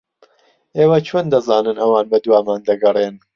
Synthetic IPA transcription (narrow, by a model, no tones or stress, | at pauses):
ʔeːwɐt͡ʃʰoːnd̪ɐzaːnɨnʔɐwaːnbɐd̪waːmaːnd̪ɐɡɐrˤen